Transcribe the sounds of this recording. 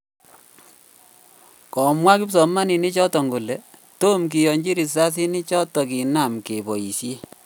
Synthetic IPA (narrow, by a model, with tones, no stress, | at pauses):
kɔ˨mwa˦ki˦ps̬ɔ˨ma˦ni˨ni˦t͡ʃɔ˦tɔ˨ŋɡo˨le˨to˦mk̬i˨jɔ˨ɲd͡ʒi˦ɾi˨s̬a˦s̬i˦ni˦t͡ʃɔ˦tɔ˨ki˨na˨mke˨bɔ˨i˨sje˦